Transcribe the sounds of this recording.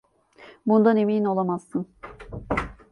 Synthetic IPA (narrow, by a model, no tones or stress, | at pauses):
bund̪anemiːino̞lˠamaz̥ːɯn